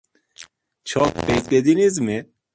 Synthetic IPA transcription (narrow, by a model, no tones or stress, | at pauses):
t͡ʃʰɔkpek̚t̪ed̪inizme